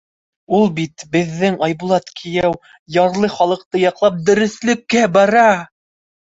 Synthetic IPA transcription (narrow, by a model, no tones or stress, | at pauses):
ulˠbit̪bɘ̆ðːɘŋɑjbulˠɑt̪kʰĭjæw | jɑɾlˠɤχɑlˠɤ̆q̚t̪ɤjɑqlˠɑp̚d̪ɵ̆ɾɵ̆slɘ̆kːæbɑɾɑ